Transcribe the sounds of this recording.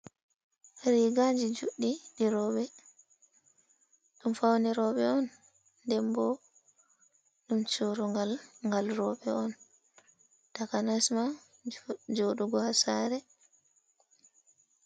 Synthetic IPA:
ɾiɡad͡ʒid͡ʒuɗːiɗiɾɔːɓɛ | ɗumfawniɾɔɓɛɔnː | dɛmbɔ | ɗumt͡ʃuɾuŋɡalŋɡalɾɔɓɛɔn | takanasma | d͡ʒoɗuɡɔhasaːɾɛ

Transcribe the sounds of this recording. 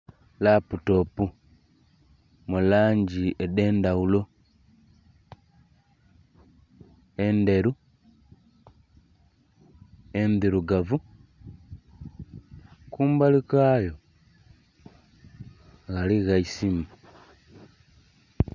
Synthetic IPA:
laputopu | mulaːɲd͡ʒiedeːndaulo | endeɾu | endiɾuɡavu | kuːmbalikaːjo | ɣaliɣaisimu

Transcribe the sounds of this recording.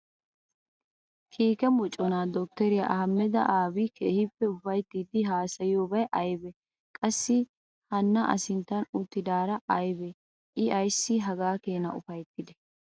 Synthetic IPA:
kʰiːkɛmɔt͡ʃʼːɔnaːd̪ɔk̚t̪ɛɾɪjɐ̰ʔhɐmːɛd̪ɐ̰ʔaːbikʰeːhɪpːɛʊfɐjt̪ːiːd̪ɪɦaːsɐjoːbɐjʔɐjbɛ | kʼɐsːɪ | hɐnːɐʔɐ̰sɪnt̪ːɐnʊt̪ːɪd̪aːɾɐʔɐjbɛ | ʔɪɐjsːɪɦɐɡaːkeːnɐ̰ʊfɐjt̪ːɪd̪ɛ̥

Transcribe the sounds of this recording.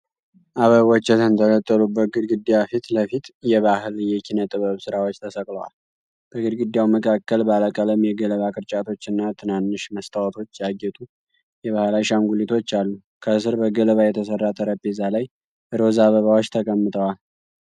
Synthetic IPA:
ʔaβəβwɔt͡ʃːɛt̪ʰənt̪ʰələt̪ʼːəlubːəɡɨd̪ɡɨd̪ːjafit̪ləfit̪jɛβahɨljɛkʰinət̪ʼɨβəβsɨɾawot͡ʃːt̪ʰəsəkʼləwa̰l | b̥əɡɨɾɡɨd̪jawməkʰakːəlbaləkʼələmjɛɡələβakʼɨɾt͡ʃʼat̪ʰo̞t͡ʃːɨnːat̪ʰɨnanːɨʃməst̪ʰawət̪ʰo̞t͡ʃːjaɡːɛt̪ʼu | jɛβahlajʃaŋɡulit̪ʰo̞t͡ʃːalːu | kʰəsɨɾbəɡələβajɛt̪ʰəsərːat̪ʰəɾəbezalaj | ʔɨɾo̞zaβəβawot͡ʃːt̪ʰəkʼəmːɨt̪ʰʼəwal

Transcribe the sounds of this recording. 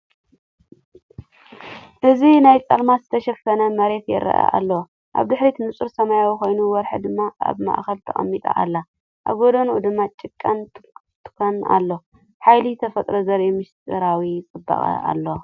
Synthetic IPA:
ʔɨzinajt͡sʼɐlmazɨt̪ʰɐʃɐfɐnɐmɐɾe̞t̪jɛ̰ɾɐ̰ʔa̰ʔa̰lːɐw | ʔa̰βd̪ɨħɾit̪ʰɨnɨt͡sʼɨɾsɐmajawiko̞jnuwɔɾħɨd̪ɨmːaʔa̰βma̰ʔxɐlt̪ʰɐχʼɐ̰mːit̪ʼa̰ʔa̰lːa | ʔa̰βɡod̪onʔud̪ɨmːat͡ʃʼɪkʼːan | t̪ʰɨ̥kʰona̰lːo̞ | ħajlit̪ʰɐfɐt̪ʼɾozɐɾimɨʃt̪ʼɨɾawit͡sʼɨbːa̰χʼɐ̰a̰lːo

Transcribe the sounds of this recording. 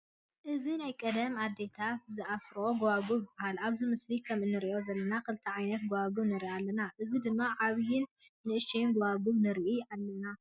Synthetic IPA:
ʔɨzinajkʼɐd̪ɐmad̪ːe̞t̪ʰat̪zɨʔasɾo̞ɡowaɡuβahalaβzɨmɨslikʰɐmɨnːɨɾiʔo̞zɐlːɐnakʰɨlɨt̪ʰɐʕajnɐt̪ɡowaɡuβnɨɾialːɐnaʔɨzid̪ɨmːaʕaβjɪnː | ɨʔɨʃejnɡowaɡuβnɨɾʔialːɐna

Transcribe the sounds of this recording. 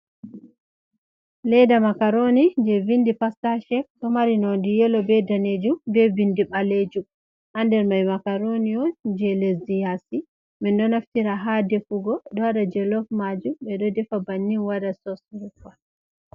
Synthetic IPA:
lɛdamakaɾonid͡ʒɛvindipastaʃɛktɔmaɾinɔndijɛlɔbɛdaned͡ʒumbɛvindiɓaled͡ʒu | ʔandɛɾmajmakaɾoniɔd͡ʒɛlesdijasi | mɛndɔnaftiɾaɦadɛfuɡɔɗɔwadad͡ʒɛlɔfmad͡ʒuɓɛɗɔdɛfabanːiwadasɔsɾufa

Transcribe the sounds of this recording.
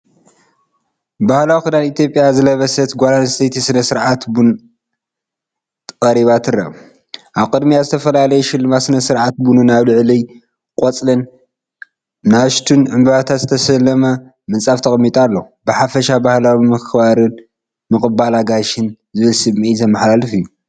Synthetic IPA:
bahlawikɨd̪anit̪ʰjo̞pʼjazɨlɐβɐsɐt̪ɡʷolanst̪ʰɐjt̪ʰisɨnɐsɨɾʕat̪bun | t̪ʰkʼɐɾiβat̪ʰɨrɐ̰ | ʔaβkʼɨd̪mijazɨt̪ʰɐfɐlalɐjuʃɪlːɨmasɨnɐsɨɾʕat̪̚bununaβlɨʕlij | kʼot͡sʼlɐn | aʃt̪ʰunʕɨmbɐβat̪ʰat̪zɨt̪ʰɐsɐlːɐmɐ | mɨnt͡sʼaft̪ʰɐxʼmːit̪ʼalːo | bɨħafɐʃabahlawiimɨkkʰβaɾɨn | mɨxʼɨbalaɡaʃɨn | zɨβɨlsɨmmiʔizɐmːɐħlalɨfijːu

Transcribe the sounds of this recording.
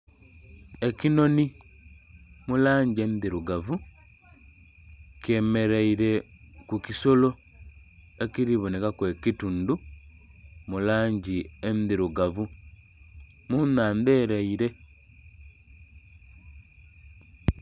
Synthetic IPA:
ekino̞ni | mulaːɲɟiemiðiɾuɡavu | keme̞ɾeiɾe̞kukiso̞lo̞ | ekiɾiβonekakwe̞ːkitundu | mulaːɲɟiemiðiɾuɡavu | munaːnde̞ːɾeiɾe̞

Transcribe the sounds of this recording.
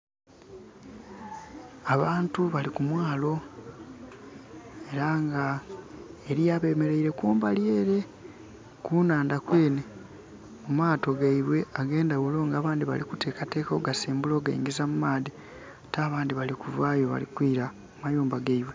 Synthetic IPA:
aβaːntuβalikumwaːlo̞ | e̞ɾaŋɡa | eɾijaːβe̞ːme̞ɾe̞iɾe̞kuːmbalje̞ːɾe̞ | kuːnaːndakwe̞ːne | mumaːto̞ɡaiβwe̞aɡe̞ːndaɣulo̞ːŋɡaːβaːndiβa̰likute̞ːkate̞ːkoɡasiːmbulo̞ːɡa̰ḭŋɡizamumaːði | taːβaːndiβalikuvaːjo̞βa̰lḭkwiːɾa | mumajuːmbaɡaiβwe̞

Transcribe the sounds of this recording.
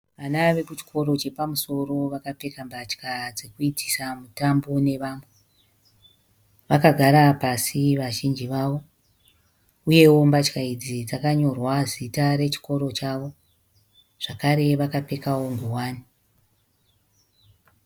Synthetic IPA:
ʋanaʋe̞kut͡ʃi̥kʰo̞ɾo̞t͡ʃe̞pamuso̞ro̞ʋakape̞kambat͡ʃkad͡zekuiti̥samutambo̞ne̞ʋaːmbo | ʋakaɡʱaɾapasiʋaʒind͡ʒiʋaʋo̞ | uje̞wo̞mbat͡ʃkaid͡zid͡zakaɲo̞rwazitaɾe̞t͡ʃi̥ko̞ɾo̞t͡ʃaʋo̞ | ʐ̥akaɾe̞ʋakape̞kawo̞ŋɡuwaːni

